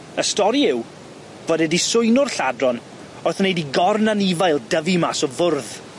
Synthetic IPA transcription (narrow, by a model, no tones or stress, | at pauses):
əstɔɾiɪw | v̥ɔdɛdisʊɨnʊrɬadrɔn | ɔrθnejdiɡɔrnanivajlˠdəvimasɔvʊrð